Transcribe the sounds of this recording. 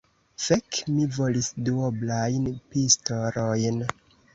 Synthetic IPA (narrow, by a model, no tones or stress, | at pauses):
fekmivolisduoblajnpistoɾojn